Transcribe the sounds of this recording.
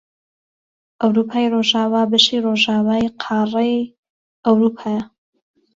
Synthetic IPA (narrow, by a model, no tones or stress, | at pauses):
ʔɐwɾupʰaːjroʒaːwaːbɐʃiroʒaːwaːjqʰɑːrˤej | ɐwɾuːpʰaːjɐ